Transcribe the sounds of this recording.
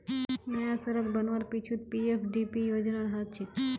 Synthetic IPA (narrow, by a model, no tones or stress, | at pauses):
nəjãsəɾəkbənʋaɾpit͡ʃʰut̪̚piefʰɖipijod͡ʒnaɾɦat̪̚t͡ʃʰe